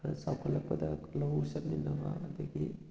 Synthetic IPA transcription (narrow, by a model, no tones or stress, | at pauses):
sawkʰɐlɐpːɐd̪ɐlɐwsɐt̚ninːɐbɐɐd̪ɐɡi